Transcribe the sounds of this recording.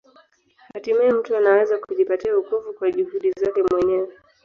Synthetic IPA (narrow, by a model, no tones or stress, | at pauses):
hatimaɛm̩tuanawɛzakuʄipatiaukuvukwaʄuhuɗizakɛmwɛɲɛwɛ